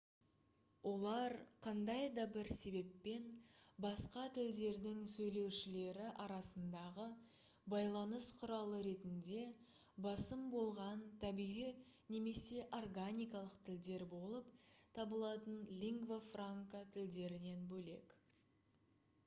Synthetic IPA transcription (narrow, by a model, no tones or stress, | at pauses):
wo̞lˠɑɾqʰɑnd̪ɑjd̪ɑbɪɾse̞be̞pːe̞nbɑsqɑt̪ɪld̪e̞ɾd̪ɪŋsɵjle̞wʃɪle̞ɾɪʔɑɾɑsənd̪ɑʁə | bɑjlˠɑnəsqʰʊɾɑlˠəɾe̞t̪ɪnd̪e̞ | bɑsəmbo̞lˠʁɑnt̪ʰæbijʁij | ne̞me̞se̞ʔo̞rɡanʲijkɑlˠəqt̪ʰɪld̪e̞ɾbo̞lˠəpt̪ʰɑbəlˠɑt̪ənlʲiŋɡvofraŋkat̪ʰɪld̪e̞ɾɪne̞nbɵle̞̰k